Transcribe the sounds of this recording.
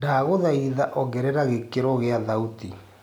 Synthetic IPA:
daɣoðaiðaʔɔɡɛɾɛɾaɣekeɾɔɣeaðauti

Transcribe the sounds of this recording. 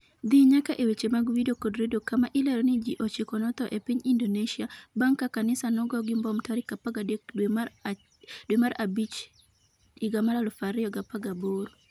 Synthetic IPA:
d̪iɲakaʔewet͡ʃemaɡwidokɔdɾedokamaʔɪlɛɾɔnɪd͡ʒiʔɔt͡ʃekɔnɔt̪ɔʔepiɲindoneʃiabaŋkːakanɪsanɔɡɔɡɪmbɔmtɔɾɪkapaɡadekm | dwemaɾabit͡ʃ | iɡamaɾalfaɾɪɔɡapaɡaboɾo

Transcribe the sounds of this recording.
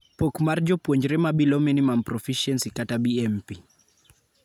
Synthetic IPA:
pɔkmaɾd͡ʒɔpwɔɲd͡ʒɾɛmabilɔmɛnimampɾɔfiʃɛnsikatabiɛmpi

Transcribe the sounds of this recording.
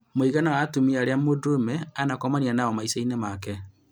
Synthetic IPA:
moiɣanawatumiaɾeamodomɛanakɔmanianaɔmaisainɛmakɛ

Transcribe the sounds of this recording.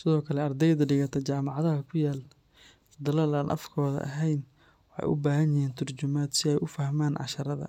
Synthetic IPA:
sɪðɔːkʰɐlɛɐrd̪ɛjd̪ɐɖɪɣɐt̪ʰɐt͡ʃaːmɑʕɑðɐɦɐkʰʊjaːl | d̪ɐlaːlaːnʔɐ̰fkʰɔːðɐ̰ʔɐ̰ɦɛjn | wɑħɑ̰jʔʊ̰baːɦɐnjɪhiːnt̪ʰʊrt͡ʃʊmaːd̪sɪɛjʔʊfɐhmaːnʕɑ̰ʃɐɾɐðɐ̰

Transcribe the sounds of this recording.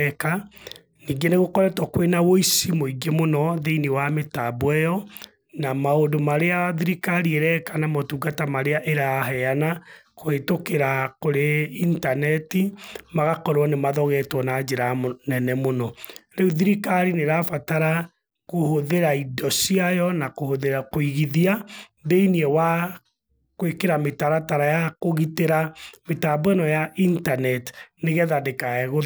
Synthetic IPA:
ka | niːɡeneɣokɔɾɛtɔkwenawoisimoiɡemonɔðeinewametabwɛjɔ | namaodomaɾeaðiɾikaɾiɛɾɛkanamɔtuːɡatamaɾeaʔeɾaɦɛanakoetokeɾakoɾeintanɛtimaɣakɔɾwɔnemaðɔɣɛtwɔnad͡ʒeɾanɛnɛmonɔɾeuðiɾikaɾineɾafataɾa | kohoðeɾaidɔsiajɔnakohoðeɾakoiɣiðiabeiniewa | kwekeɾametaɾataɾajakoɣiteɾametabwɛnɔjaʔintanɛtneɣɛðadekaɛɣo

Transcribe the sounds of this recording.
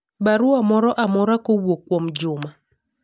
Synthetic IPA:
baɾuamɔɾɔʔamɔɾakowwokːwɔmd͡ʒʊma

